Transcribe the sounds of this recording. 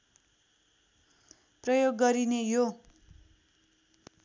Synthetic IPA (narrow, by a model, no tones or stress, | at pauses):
prʌjoɡːʌɾinejo